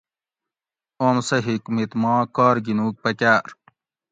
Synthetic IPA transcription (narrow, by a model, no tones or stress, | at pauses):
oːmsɐɦikmit̪mɑ̃ːkaːɾɡinuːk̚pɐkaːɾ